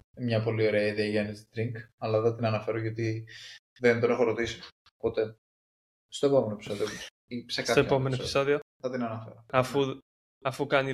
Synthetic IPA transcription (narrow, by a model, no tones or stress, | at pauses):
mɲɐpo̞lio̞ɾeɐiðeɐʝɐnizd̪ɾiŋkɐlɐðɐt̪inɐnɐfe̞ɾoʝot̪i | ðent̪o̞nexo̞ɾot̪isi̥ | pot̪e̞ | st̪oepo̞menoepi̥so̞ðio | iseksɐoepome̞noepiiso̞ðioθɐt̪inɐnɐfḛɾoɐfu | ɐfukɐni